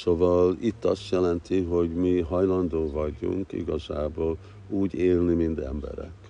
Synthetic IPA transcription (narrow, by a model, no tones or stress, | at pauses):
so̞vɒlit̪ːɒst̪jɛlɛnt̪iɦo̞ɟmiɦɒjlɒnd̪oːvɒɟṵŋkḭɡɒza̰ːboːl | uːɟeːlnimind̪ɛ̰mbɛ̰ɾɛ̰k